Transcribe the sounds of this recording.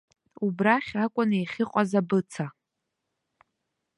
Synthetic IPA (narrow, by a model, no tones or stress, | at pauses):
ubraχʲakʷʼʊnejχʲɪqʷʼazabɨt͡sʰa